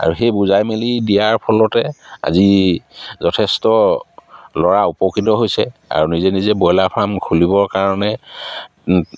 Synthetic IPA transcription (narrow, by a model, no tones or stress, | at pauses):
a̰ɹuxejbuzajmelidijaɹpʰɔlɔtɛa̰zi | zɔtʰɛstɔ | lɔɹaupɔkɹitɔɦojsɛa̰ɹunizɛnizɛbɔjlapʰɹamkʰulibɔɹkaɹɔnɛ